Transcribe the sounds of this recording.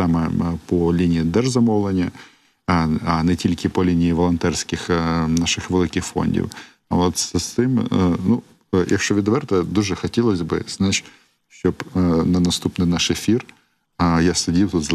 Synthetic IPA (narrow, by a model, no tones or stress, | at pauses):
amɛpɔlʲinʲɪjid̪ɛʐzɐmowlˠɐnʲɐ | ɐnɪtʲilʲkʲɪpɔlʲinʲɪiʋɔlˠɐnt̪ɛrsʲkʲɪxnaʂɨxʋelˠɪkʲɪxfo̰nʲdʲḭw | ʋot̪sɐst̪ɪmnu | jʔɐ̰kʃɔʋʲɪd̪ɐʋɛrt̪ɐd̪uʒɛxɐtʲelˠɐzʲbɨ̰znat͡ɕ | ʃt͡ʃobnɐnɐst̪upnɨjnaʂefʲir | jast̪ɐdʲilˠt̪ut̪z